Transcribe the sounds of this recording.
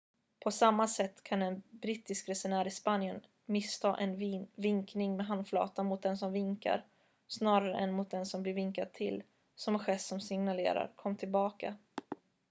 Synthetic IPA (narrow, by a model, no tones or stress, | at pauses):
pʰɔsamːasɛt̪ːkʰanɛnbɾɪt̪ɪskɾɛsʊɳæːɾɪspanjən | mɪst̪ʰɑ̰ːʔɛnvɪŋknɪŋmɛɦand̪flɑ̰ːt̪anmʊt̪̚d̪ɛnsɔmvɪŋka̰ɾ | snɑːɾaɾəʔɛnmʊt̪̚d̪ɛnsɔmblɪɾvɪŋkad̪̚t̪ʰɪl | sɔmɛɧɛsːɔmsɪŋnalḛːɾa̰ɾkʰɔmːt̪ʰɪlbɑːka̰